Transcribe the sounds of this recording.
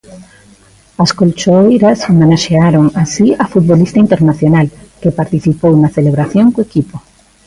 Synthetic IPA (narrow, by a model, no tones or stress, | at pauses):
askolt͡ʃoejɾasomẽnaʃeaɾoŋasiafut̪̚βolist̪aint̪eɾnaθjonalkepaɾt̪iθipownaθeleβ̞ɾaθjoŋkoekipo